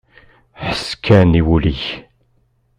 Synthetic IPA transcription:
ħə̥skæniwuliç

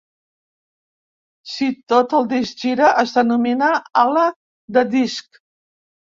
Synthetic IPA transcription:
sit̪ot̪əlˠd̪isʒiɾəʔəzd̪ənuminaalə | d̪əd̪isk

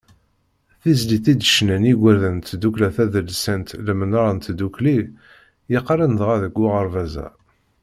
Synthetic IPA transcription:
θizliθid̪əʃnæniɡʷəɾðənt̪d̪uklæθæðəlsænt̪ləmənɾˤɑnt̪d̪ukli | jəqːɾˤənðʁæðəɡʷːʊʁəɾˤvæzæ̰

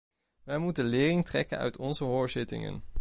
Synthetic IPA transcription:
ʋɛjmutənlɪːrɪŋtrɛkənœ̰ɥtʰɔnzəɦoːɹzɪtɪ̰ŋə̰n

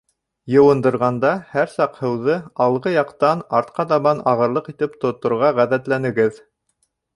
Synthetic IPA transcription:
jɤ̆wɤ̆nd̪ɤ̆ɾʁɑnd̪ɑhæɾsɑqhɤ̆wðɤɑlˠʁɤjɑqt̪ɑnɑɾt̪qɑt̪ɑβɑnɑʁɤ̆ɾlˠɤqit̪ɘpt̪ŏt̪ːŏɾʁɑʁæðæt̪lænɘ̆ɡɘð

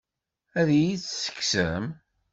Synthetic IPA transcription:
æðjit͡ssə̥kːsəm

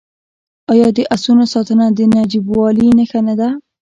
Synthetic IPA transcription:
ɑjɑd̪əʔasunosɑt̪ənad̪ənad͡ʒibwɑlinəxanad̪a

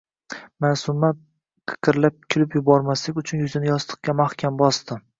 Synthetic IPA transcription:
masʊma | qʰɨ̥qʰɨɾlap̚kʲʰɪlɪpjʊbɒɾmaslɪkʲʊt͡ʃʰʊnjʊzɪnɪjɒst̪ʰɨ̥q̚kʲamaχkʲʰambɒst̪ɪ

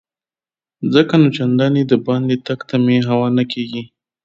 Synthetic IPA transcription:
zəkanot͡ʃand̪ɑnid̪əbɑnd̪et̪aɡt̪ameɦawɑnakeɡi

